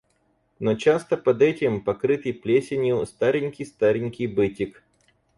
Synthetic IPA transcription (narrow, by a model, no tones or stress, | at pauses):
not͡ɕast̪əpɐd̪ɛtʲɪmpɐkɾɨt̪ɨjplʲesʲɪnʲjʊst̪aɾʲɪnʲkʲɪjst̪aɾʲɪnʲkʲɪjbɨtʲɪk